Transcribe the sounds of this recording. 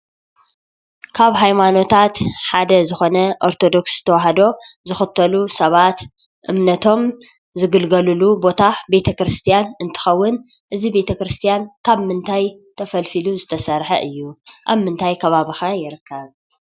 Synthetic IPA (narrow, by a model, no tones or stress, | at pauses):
kʰaβɦajmano̞t̪ʰat̪ħad̪ɐzɨxo̞nɐʔo̞ɾt̪ʰo̞d̪o̞kszɨt̪ʰɐwaɦɐd̪o̞zɨxɨt̪ʰːɐlusɐβat̪ | ʔɨmnɐt̪ʰo̞m | zɨɡɨlɡɐlulubo̞t̪ʰabe̞t̪ʰɐkɾɨst̪ʰijanɨnt̪ʰɨ̥xɐwːʊn | ʔɨzibe̞t̪ʰɐkɾɨst̪ʰijankʰaβmɨnt̪ʰajt̪ʰɐfɐlfiluzɨt̪ʰɐsɐɾħɐ̰ʔɨjːuʔa̰βmɨnt̪ʰajkʰɐβaβixajɪɾɨkʰːɐβ